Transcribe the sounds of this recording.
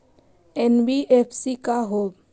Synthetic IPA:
enbiʔepʰsikaɦo

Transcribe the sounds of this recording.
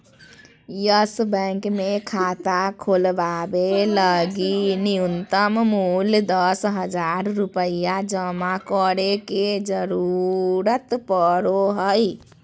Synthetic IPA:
jəsbə̃ŋkmekʰat̪akʰolbabeləɡiniunt̪əmmuld̪əsɦəd͡ʒaɾːupəjad͡ʒəmakəɾeked͡ʒəɾuɾət̪pəɾoɦəj

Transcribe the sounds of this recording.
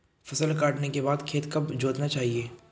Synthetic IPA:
fɐsəlkaːʈnekebaːd̪kʰeːt̪kɐbd͡ʒoːt̪nat͡ʃaːɦieː

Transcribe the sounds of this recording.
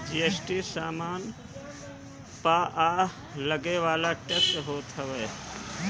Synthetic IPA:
d͡ʒiesʈisaːmaːn | paʔa | ləɡeʋaːlaʈektɦoːt̪ɦəʋɛ

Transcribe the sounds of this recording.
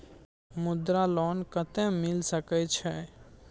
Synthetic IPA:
mʊd̪ɾalɔnkət̪ẽmɪlsəkɛt͡ʃʰɛ

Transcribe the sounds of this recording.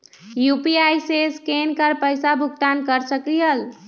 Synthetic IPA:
jupiajseskenkəɾpəjsabʱuɡ̚t̪ankəɾsəkijəl

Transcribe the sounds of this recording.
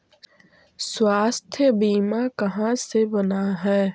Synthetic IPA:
swaːst̪ʰjəbiːmakɐɦãsebənaɦɛː

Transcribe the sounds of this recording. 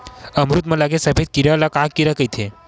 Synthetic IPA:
əmɾut̪mə̃ləɡesəpʰet̪̚kiɾələkakkiɾəkəjt̪ʰe

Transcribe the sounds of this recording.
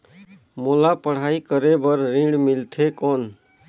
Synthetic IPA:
molapəɽ̤aːikəɾebəɾːĩɖmilt̪ʰekɔːn

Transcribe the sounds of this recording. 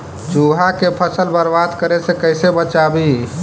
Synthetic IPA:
d͡ʒuɦakepʰəsəlbəɾbad̪kəɾesekəɪsebət͡ʃabi

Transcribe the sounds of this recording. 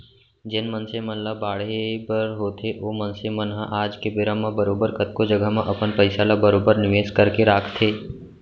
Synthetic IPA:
d͡ʒɪnmənsemə̃nlabaːɽebəɾɦoːt̪ʰeʋoːmənsemənɦaʔaːd͡ʒkebɪɾə̃mãbəɾoːbəɾkət̪̚kod͡ʒəɡəɦmẽʔɐpənpəɪsalabəɾoːbəɾnɪʋeːskəɾkeɾaːkʰt̪ʰeː

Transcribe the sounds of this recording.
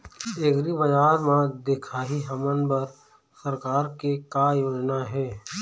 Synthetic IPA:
eːɡɾibɐd͡ʒaːɾmãd̪ekʰaːɦiɦɐmənbəɾ | səɾkaːɾkekajoːd͡ʒnaɦɛː

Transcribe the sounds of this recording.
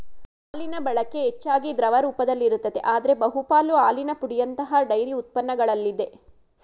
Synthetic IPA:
aːlinɐbɐɭɐkːe̞ɦet͡ʃːaːɡid̪ɾɐʋɐɾuːpɐd̪ɐlːiɾut̪ːɐd̪e̞̰ʔaːd̪ɐɾe̞bɐɦupaːluaːlinɐpuɽijɐnt̪ɐɦɐɖɐjɾiut̪̚pɐnːɐɡɐɭɐlːid̪e̞

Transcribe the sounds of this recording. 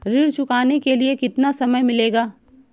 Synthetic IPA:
ɾiːɽt͡ʃʊkaːnekeliekɪt̪nasɐməjmɪleːɡaː

